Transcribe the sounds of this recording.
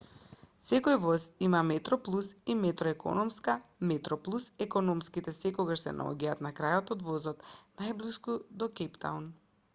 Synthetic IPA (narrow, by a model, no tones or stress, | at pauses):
sɛkojvɔzimamɛt̪ɾɔplˠusimɛt̪ɾɔɛko̰nɔmskamɛt̪ɾɔplˠusɛkɔnɔmskit̪ɛsɛkɔɡaʃsɛ̰nʔa̰ɔ̰ɟaat̪nakɾajɔt̪od̪vɔzɔt̪najbliskud̪ɔkɛpt̪a̰un